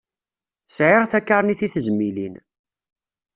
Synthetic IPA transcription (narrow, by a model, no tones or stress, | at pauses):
sʕɪʁθækːəɾˤniθiθəzmːilḭn